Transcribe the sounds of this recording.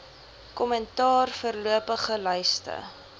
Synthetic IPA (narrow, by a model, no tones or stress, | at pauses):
kɔmɛntɑːrfərluəpəχəlœɥstə̰